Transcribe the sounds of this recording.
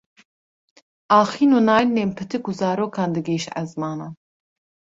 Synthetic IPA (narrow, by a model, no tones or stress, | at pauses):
ʔɑːxiːnuːnɑːjnempʰɨt̪ʰɨkuzɑːɾoːkʰɑːnd̪ɨɡeːʃɛ̰zmɑːnaːn